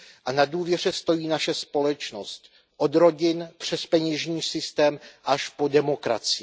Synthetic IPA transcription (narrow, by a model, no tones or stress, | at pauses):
ʔanaduːvjɛr̝ɛst̪o̞jiːnaʃɛspo̞lɛt͡ʃno̞st̪ | ʔo̞d̪ɾo̞ɟɪnpr̥ɛspɛɲɛʒɲiːsɪst̪ɛːmʔaʃpo̞dɛmo̞kɾa̰t͡sɪ